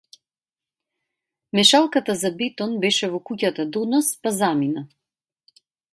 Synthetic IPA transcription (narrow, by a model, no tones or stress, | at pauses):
mɛʃalˠkat̪azabɛt̪ɔnbɛʃɛvɔkucat̪ad̪ɔnɔspazamina